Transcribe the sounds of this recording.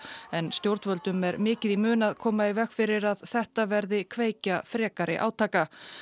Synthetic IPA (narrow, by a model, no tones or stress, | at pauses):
ɛnst̪jowɾt̪vœlt̪ʏmɛɾmɪːcɪðimʏːnaðkʰɔːmaivɛxkfɪɾɪɾaðθɛht̪avɛɾðɪkʰveːjcafɾɛːkaɾɪ̰ʔa̰ːwt̪ʰaːka